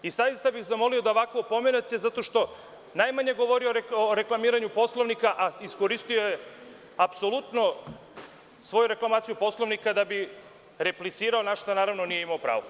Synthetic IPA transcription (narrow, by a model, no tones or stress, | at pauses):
isajist̪abixzamo̞lio̞d̪aoʋakoːpo̞menet̪e̞zat̪o̞ʃt̪o̞ | najmaɲeɡo̞ʋo̞ɾioɾeoɾe̞klˠamiːɾaɲupo̞slˠoʋnikaʔaiskoɾist̪ioje | apso̞lut̪no̞ | sʋo̞juɾe̞klˠamaːt̪sijupo̞slˠo̞ʋnikad̪abi | ɾe̞plit̪siːɾaonaʃt̪anaːɾaʋnonije̞imaopɾa̰ːʋo